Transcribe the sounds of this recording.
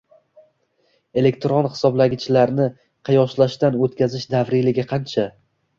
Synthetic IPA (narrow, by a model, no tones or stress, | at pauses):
e̞le̞k̚ʲt̪ɾonhɪ̥sɒblaɡʲɪt͡ʃʰɪlaɾnɪ | qʰɑjɒʃlaʃt̪anot̪̚kʲazɪʃd̪avɾɪlɪɡʲɪqʰɑnt͡ʃʰa